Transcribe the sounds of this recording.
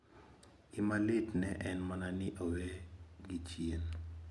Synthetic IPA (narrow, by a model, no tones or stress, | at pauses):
imalɪtnɛʔɛnmananɪʔoweɡit͡ʃjen